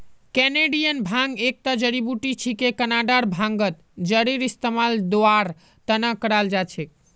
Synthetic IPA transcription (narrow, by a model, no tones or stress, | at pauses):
kɛneɖijənbʱãŋɡek̚t̪ad͡ʒəɾibuʈit͡ʃʰikekənaɖaɾbʱãŋɡət̪ | d͡ʒəɾiɾist̪emald̪oaɾ | t̪ənakəɾald͡ʒat͡ʃʰek̚